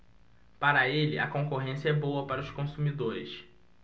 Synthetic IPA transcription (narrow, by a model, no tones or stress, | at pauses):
paɾɐelɪ̰ʔɐ̰kõŋkoɦẽsiɐɛbowɐpaɾɐʊʃkõsumid̪oɾɪ̰s